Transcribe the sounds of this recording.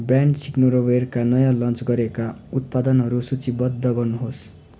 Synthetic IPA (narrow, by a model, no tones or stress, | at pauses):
braɳɖsiknoɾʌwerkanʌjãlʌnt͡sɡʌɾekaut̪̚pad̪ʌnɦʌɾusut͡sibʌd̪ʱːʌɡʌrnuɦos